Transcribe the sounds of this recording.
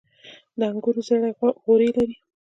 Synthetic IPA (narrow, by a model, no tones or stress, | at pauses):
d̪əaŋɡuɾuzaɽaɣoɾelaɾi